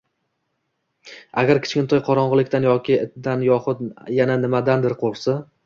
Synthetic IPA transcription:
aɡʲaɾkʲʰɪ̥t͡ʃkʲɪnt̪ʰɒjqʰɒɾɒɴʁɨlˠɪkʲt̪anjɒkʲɪɪt̪d̪anjɒχʊt̪jananɪmad̪and̪ɪɾqʰolˠsa

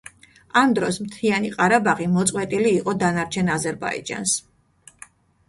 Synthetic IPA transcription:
amd̪ɾɔsmt̪ʰianiqʼaɾabaʁimɔt̪sʼqʼwɛt̪ʼiliːqʼɔd̪anaɾt͡ʃʰɛnazɛɾba̰ḭd͡ʒa̰ns

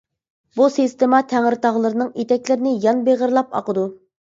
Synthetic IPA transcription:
busist̪emɑt̪ʰæŋɾt̪ɑʁlˠəɾɨnɨŋet̪ʰɛkʲlɪɾɪnɪjɑnbeʁəɾlˠɑpɑ̰qəd̪u

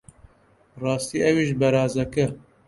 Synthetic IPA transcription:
rɑːst̪iːʔɛwiːʒbɛɾɑːzɐkɨ

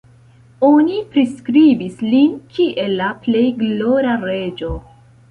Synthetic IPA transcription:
onipɾiskɾibislinkʰiʔe̞lːaple̞jɡloɾaɾe̞d͡ʒo̞

